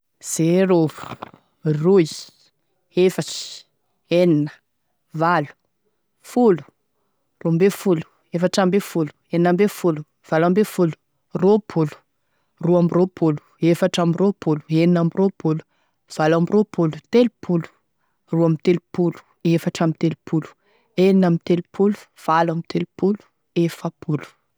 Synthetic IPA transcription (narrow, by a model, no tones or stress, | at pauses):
z̥eɾovu̥ | rui | efaʈ͡ʂi̥ | eninə̥ | valu̥ | fulu̥ | rumbefulu̥ | efaʈ͡ʂambefulu̥eninambefulu | v̥alambefulu̥ | ropʰulu̥ | ruamiropʰulu̥ | efaʈ͡ʂamiropulu̥eninamirʔopulu̥ | v̥alamiropʰulu̥t̪elupʰulu̥ | ruamit̪elupulu̥ | efaʈ͡ʂamit̪elupʰulu̥ | eninamit̪elupʰulu̥ | v̥alamit̪elupulu̥ | efəpulu̥